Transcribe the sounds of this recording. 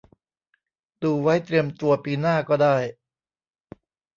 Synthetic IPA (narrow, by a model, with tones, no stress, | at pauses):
duː˧wa˦˥jt̪ɾi˧əmt̪u˧ɐpiː˧naː˥˩kɔː˥˩daː˥˩j